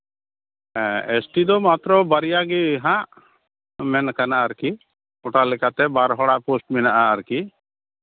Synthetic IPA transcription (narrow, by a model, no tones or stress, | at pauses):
esʈid̪ɔmat̪ɾɔbəɾijaɡiɦãʔ | mɛnkanaːɾki | ɔʈalɛkat̪ɛbaɾɦɔɽaposʈmɛnaʔaːɾki